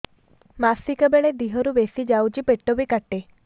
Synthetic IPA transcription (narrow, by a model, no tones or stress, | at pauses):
masikəbeɭed̪iɦɔɾuʋesid͡ʒawt͡ʃipeʈːobikaʈːe